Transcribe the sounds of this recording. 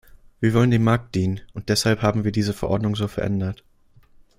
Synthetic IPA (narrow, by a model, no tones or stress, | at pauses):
viːɐvɔləndeːnmaɐk̚t̚d̥iːnənʔʊnt̚d̥ɛshalphaːbm̩viːɐdiːzəfɛɐʔɔɐdnʊŋzoːfɛɐʔɛ̰ndɐt